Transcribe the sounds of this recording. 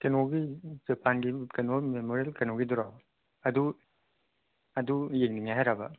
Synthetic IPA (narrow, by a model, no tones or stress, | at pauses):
kenoɡid͡ʒepʰanɡikenomemoɾielkɐnoɡiduɾaw | ɐdu | ɐdujeŋniŋajɦajɾabɐ̰